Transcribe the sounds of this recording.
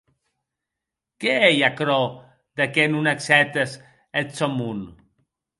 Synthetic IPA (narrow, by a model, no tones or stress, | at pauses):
keejakɾo | d̪akenunaksɛt̪es | et͡somun